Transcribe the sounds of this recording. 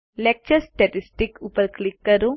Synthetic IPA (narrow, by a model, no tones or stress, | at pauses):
lek̚t͡ʃɐɾsʈɐʈisʈikupɐɾklikːɐɾu